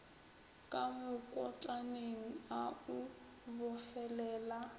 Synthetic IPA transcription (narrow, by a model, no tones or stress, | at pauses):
kʼamʊkʼɔt͡ɬʼaneŋ̩au | bʊfɛlɛːla